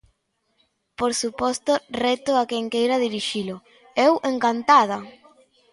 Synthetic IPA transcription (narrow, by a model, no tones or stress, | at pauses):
poɾsupɔst̪ʊrɛt̪ʊakeŋkejɾɐðiɾiʃilʊ | ɛwʔeŋkant̪að̞a